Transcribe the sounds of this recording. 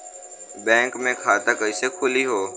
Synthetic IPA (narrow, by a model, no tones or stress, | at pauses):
bɛ̃ːŋkmẽːkʰaːt̪aːkəiːsekʰʊliːɦoː